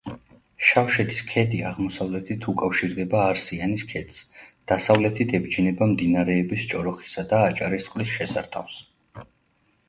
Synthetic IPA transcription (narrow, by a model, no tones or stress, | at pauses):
ʃafʃɛt̪ʰi̥skʰɛd̪iaʁmɔsavlɛt̪ʰit̪ʰukʼafʃiɾd̪ɛbaːɾsianiskʰɛt̪sd̪̥asavlɛt̪ʰit̪ʰɛbd͡ʒinɛbamd̪inaɾɛːbist͡ʃʼɔɾɔχi̥sad̪aːt͡ʃʼaɾist̪qʼlisʃɛsa̰ɾt̪ʰa̰fs